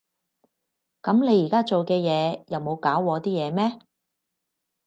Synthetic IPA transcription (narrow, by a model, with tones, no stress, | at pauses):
kɐ˨˧˥mne˨˧jiː˨˩kaː˥t͡so˨wkɛː˧jɛː˨˧jɐ˨˧wmo˨˧wkaː˨˥wwɔː˨˧t̪iː˥jɛː˨˧mɛː˥